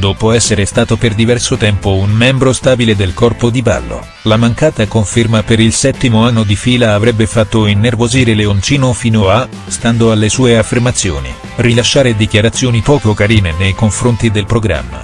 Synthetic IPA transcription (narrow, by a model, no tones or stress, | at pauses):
d̪oːpoɛsːeɾest̪aːt̪operd̪ivɛrsot̪ɛmpounmɛmbɾost̪aːbiled̪elkɔrpod̪iba̰lːo̰ | lamaŋkaːt̪akoɱfermapeɾilsɛt̪ːimoanːod̪ifiːlaːvɾɛbːefat̪ːoinːervoziːɾeleont͡ʃiːnofiːnoa | st̪and̪oalːesuːeafːermat̪sːjo̰ːnḭ | rilaʃːaːɾed̪ikjaɾat̪sːjoːnipɔːkokaɾiːnenejkoɱfɾont̪id̪elpɾoɡɾa̰mːa̰